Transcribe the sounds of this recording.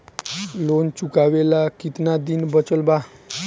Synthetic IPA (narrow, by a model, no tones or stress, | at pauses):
lont͡ʃukaʋelakit̪nad̪inbət͡səlba